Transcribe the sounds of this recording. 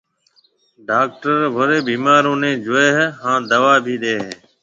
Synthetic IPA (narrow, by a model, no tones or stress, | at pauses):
ɖaːk̚ʈəɾʋʱoɾeːbiːmaːɾõːnẽːd͡ʒʊeːɦɦãːd̪əʋaːbʱiːɗ̪eːɦeː